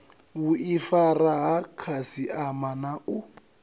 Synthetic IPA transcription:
wuʔifaraɦakʰasiʔamanaʔu

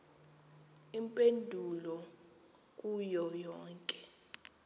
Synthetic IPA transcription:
impʼendʱulɔ | k̬ʼujɔjɔːŋkʼɛ̥

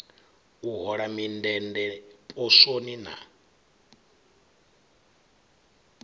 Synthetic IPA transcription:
uɦɔɺamindɛndɛpʼosonina̰

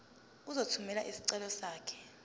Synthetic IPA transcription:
uzotʰumɛlaʔisi̥ǀɛlɔsaːkʰɛ̥

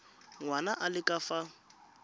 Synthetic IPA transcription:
ŋwanaʔalɪkʼafa

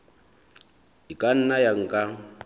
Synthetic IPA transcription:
ikʼan̩najaŋ̩kʼa

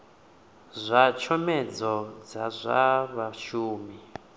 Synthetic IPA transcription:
zʷat͡ʃʰɔmɛd͡zɔd͡zazʷa̰βaʃuːmi

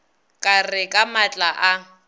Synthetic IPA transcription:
kʼarɪkʼamat͡ɬʼaʔa

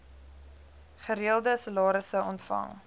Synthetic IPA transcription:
χəɾiəlˠdəsəlɑːɾəsəɔntfɐ̰ŋ

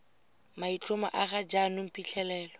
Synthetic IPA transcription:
mait͡ɬʰʼʊma̰ʔaɣad͡ʒanʊm̩pʼit͡ɬʰɛlɛːlɔ

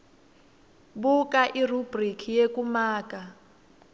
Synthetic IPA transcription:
bukʼaʔirubrikʰijekumaːkʼa

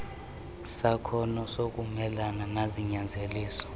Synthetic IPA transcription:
sakʰɔnɔsokʼumɛlananaziɲand͡zʱeliːsɔ̥

